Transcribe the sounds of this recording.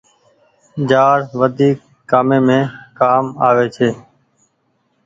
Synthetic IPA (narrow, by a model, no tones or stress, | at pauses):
d͡ʒaːɾʋəd̪ʱiːkː | aːmẽːmẽːkaːmaːʋeːt͡ʃʰeː